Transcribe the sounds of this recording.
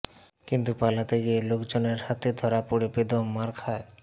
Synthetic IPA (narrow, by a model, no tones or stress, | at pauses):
kint̪upalat̪eɡielokd͡ʑoneɾhat̪ed̪ʱɔɾapoɾibed̪ommaɾkʰae